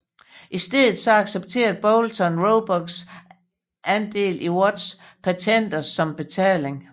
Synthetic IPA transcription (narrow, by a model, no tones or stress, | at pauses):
ʔisd̥eð̰ˠð̩ˠsɒ̽ɑ̈ɡ̥seb̥t͡sʰe̝̰ːɐðb̥ɒʊlt͡sʰɒnʁoʊb̥ɒɡ̥s | ʔænd̥e̝̰ːlʔiwɒd̥s | pʰæt͡sʰen̰d̥ɐsɒ̽mb̥e̝t͡sʰɛ̰ːle̝ŋ